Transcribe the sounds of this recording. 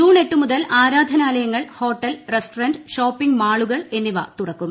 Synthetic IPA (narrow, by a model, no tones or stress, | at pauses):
uːɳe̞ʈːumuðɐlaːɾaːd̪ʱɐnaːlɐjɐŋːɐɭho̞ːʈːɐlresʈorɐnɖɕoːpːiŋɡmaːɭuɣɐɭe̞nːiʋɐt̪urɐkːum